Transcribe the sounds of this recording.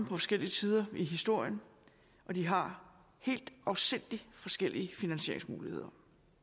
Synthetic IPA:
pʰɒ̽fɒ̽sɡ̥el̰iət͡sʰiːð̞ˠɐiɦisd̥o̝ɐ̰jən | ʔɒ̽d̥iɦɑ̈ | he̝̰ːld̥ɑʊsen̰d̥ifɒ̽sɡ̥el̰iəfinænɕe̝ɐ̰e̝ŋsmuːlihe̝ð̞̰ˠɐ

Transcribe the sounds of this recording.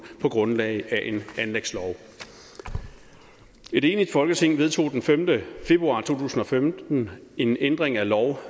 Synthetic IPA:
pʰɒ̽ɡ̥ʁɔ̽nlɛ̰ɪæʔe̝nænleɡ̥slɒʊ | e̝ɾ̥e̝ːnid̥fɒ̽lɡ̥ət͡sʰe̝ŋ̰ʋe̝ð̞ˠt͡sʰo̝̰ːd̥enfemd̥əfe̝b̥ʁuɑ̈ːt͡sʰo̝̰ːt͡sʰṵːsn̩ɒ̽femd̥n̩e̝nend̥ʁeŋælɒʊ

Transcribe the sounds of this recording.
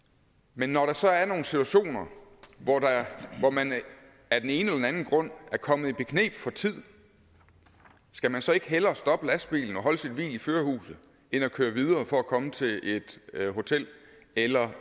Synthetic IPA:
menːɒɾ̥ɑ̈sɒ̽æɐno̝ːn̩sit͡sʰuæɕo̝̰ːnɐʋɒdɑʋɒmæn | æɐd̥ene̝ːnəelɐdenænn̩ɡ̥ʁɔ̽n̰æɐkʰɒ̽mð̩ˠib̥e̝kʰne̝̰ːb̥fɒ̽t͡sʰið̰ˠ | sɡ̥æmænsɒ̽e̝ɡ̥əɦelɐsd̥ɒ̽b̥əlæsd̥b̥ḭːln̩ɒ̽ɦɒ̽ləsid̥ʋḭːliføːɐhṵːsð̩ˠ | e̝nɒkʰøːɐʋið̞ˠɐːfɒ̽ækʰɒ̽mət͡sʰe̝ʔe̝d̥ɦo̝t͡sʰel̰ | elɐ

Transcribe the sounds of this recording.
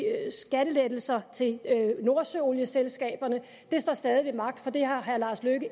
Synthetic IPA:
sɡ̥æɾəled̥l̩sɐt͡sʰe̝lno̝ɐsøo̝ljəselsɡ̥ɛ̰ːb̥ɐnə | d̥e̝sd̥ɒ̰sd̥ɛːð̞ˠiʋemɑ̈ɡ̥̚d̥fɒ̽d̥e̝hɑ̈ɦæɐlɑ̈sløɡ̥ə

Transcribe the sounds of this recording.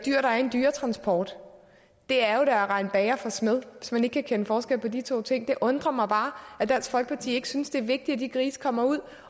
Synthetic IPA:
d̥yɐ̰ɾ̥ɑ̈æɐe̝nd̥yːɐt͡sʰʁɑ̈nsb̥ʰɒːd̥ | d̥e̝æɐjo̝ɾ̥ɑ̈æʁɑ̈ɪnb̥ɛːɐfɒ̽smeðˠʋe̝smæne̝ɡ̥əkʰækʰenəfɒːsɡ̥el̰pʰɒ̽d̥it͡sʰo̝̰ːt͡sʰe̝ŋ̰d̥e̝ʔɔ̽nd̥ʁɐmɑ̈ɪb̥ɑ̈ːæd̥æsfɒ̽lɡ̥ə̥pʰɑ̈t͡sʰḭːe̝ɡ̥synsd̥e̝æɐʋe̝ɡ̥̚d̥iæd̥ikʰʁiːsə̥kʰɒ̽m̰ɐuð̞̰ˠ

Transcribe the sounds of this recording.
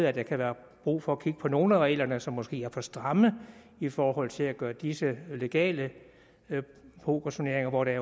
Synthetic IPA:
ð̩ˠæd̥ɑ̈kʰæʋæːɐ | b̥ʁṵːfɒ̽ækʰiɡ̥əpʰɒ̽no̝ːln̩æʁɛ̰ːlɐnəsɒ̽mːɒ̽sɡ̥e̝̰ːæɐfɒ̽sd̥ʁɑ̈mə | ifɒːɦɒ̽l̰t͡sʰe̝læɡ̥ɶːɐd̥isəle̝ɡ̥ɛ̰ːlə | pʰo̝kʰɑɕo̝ne̝ɐeŋɐʋɒɾ̥eɐ

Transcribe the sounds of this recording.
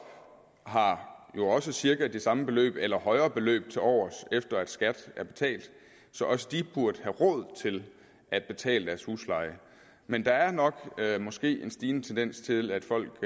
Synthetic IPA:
ɦɑ̈jo̝ɒ̽səsiɐɡ̥ɐd̥e̝sɑ̈məb̥e̝lø̰ːb̥elɐhɒ̽ɪɐːb̥e̝lø̰ːb̥̚t͡sʰe̝lɒ̰ːsefd̥ɐæd̥sɡ̥æd̥æɐb̥e̝̥t͡sʰɛ̰ːld̥ | sɒ̽ʔɒ̽səd̥ib̥uɐd̥əhæʁɔ̽ð̞̰ˠt͡sʰe̝l | ʔæd̥̚b̥e̝t͡sʰɛ̰ːləd̥æɐshṵːslɑ̈ɪə | mend̥ɑ̈æɐnɒ̽ɡ̥mɒ̽sɡ̥e̝̰ːe̝nsd̥iːnət͡sʰend̥en̰st͡sʰe̝læd̥fɒ̽l̰ɡ̥

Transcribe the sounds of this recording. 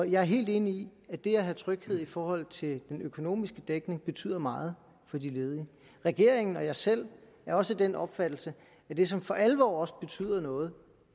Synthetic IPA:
ɒ̽jɑ̈ɪæɐɦe̝̰ːld̥e̝ːniiæd̥e̝æɦæt͡sʰʁœɡ̥heð̞̰ˠifɒːhɒ̽l̰t͡sʰe̝ld̥enøkʰo̝no̝̰ːmisɡ̥əd̥eɡ̥ne̝ŋb̥e̝t͡sʰy̰ð̰ˠɐmɑ̈ːð̞̩ˠ | fɒ̽d̥ile̝ːð̞ˠiə | ʁɛɡ̥e̝ɐ̰eŋn̩ɒ̽jɑ̈sel̰ | æɐɒ̽səd̥enʔɒ̽b̥fæd̥l̩sə | æd̥e̝sɒ̽mfɒ̽ʔælʋɒ̰ːɒ̽sb̥e̝t͡sʰy̰ːð̰ˠɐnɔ̽ːð̞̩ˠ

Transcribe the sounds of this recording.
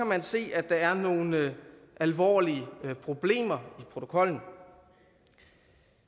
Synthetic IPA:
æmænse̝̰ːæd̥ɑ̈æɐno̝ːnʔælʋɒ̰ːliəpʰʁo̝b̥le̝̰ːmɐipʰʁo̝t͡sʰo̝̥kʰɒ̽l̰n̩

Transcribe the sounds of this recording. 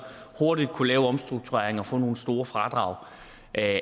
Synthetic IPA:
ho̝ɐdid̥̚kʰulɛːʊɒ̽msd̥ʁuɡ̥̚t͡sʰuʁeɐeŋɒ̽fɔ̽ːno̝ːn̩sd̥o̝ːɐfʁɑ̈d̥ʁɑ̈ʊ | ʔ

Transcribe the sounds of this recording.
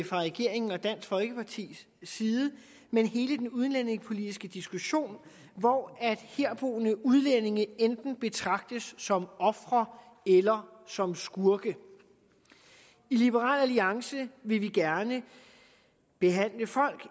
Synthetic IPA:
fʁɑ̈ʁɛɡ̥e̝ɐ̰e̝ŋn̩ɒ̽d̥æn̰sfɒ̽lɡ̥əpʰɑ̈t͡sʰḭːsː | iːðˠə | menhe̝ːləd̥enuð̞ˠnleneŋpʰo̝lid̥isɡ̥əd̥isɡ̥uɕo̝̰ːn | ʋɒæd̥heɐb̥o̝̰ːnəuð̞ˠlene̝ŋəend̥n̩b̥e̝t͡sʰʁɑ̈ɡ̥̚d̥əsːɒ̽mɒ̽fʁɐ | elɐ | sɒ̽msɡ̥uɐɡ̥ə | ilib̥əʁɑ̰̈ːlæliɑ̈ŋsəʋe̝ʋiɡ̥æɐnə | b̥e̝ɦæn̰ləfɒ̽l̰ɡ̥

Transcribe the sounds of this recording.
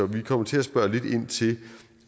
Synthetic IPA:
ɒʋikʰɒ̽m̰ɐt͡sʰe̝æsb̥ɶɐle̝d̥e̝n̰t͡sʰe̝

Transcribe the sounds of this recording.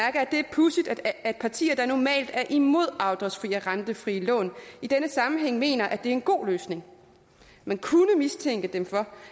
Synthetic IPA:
æɐɡ̥ɐæd̥e̝æɐpʰusid̥æd̥̚pʰɑ̈t͡sʰḭːɐd̥ɑnɒmɛ̰ːld̥æɐʔimo̝ð̞̰ˠɑ̈ʊd̥ɐsfʁḭːæʁɑnd̥əfʁiːəlɔ̰̽ːnid̥enəsɑ̈mm̩ɦeŋ̰me̝̰ːnɐʔæd̥e̝æɐe̝nɡ̥o̝̰ːløːsne̝ŋ | mænkʰunəmist͡sʰeŋ̰ɡ̥əd̥emfɒ̽

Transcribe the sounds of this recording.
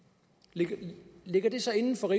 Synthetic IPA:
le̝ɡ̥ɐd̥e̝sɒ̽e̝nn̩fɒ̽ʁi

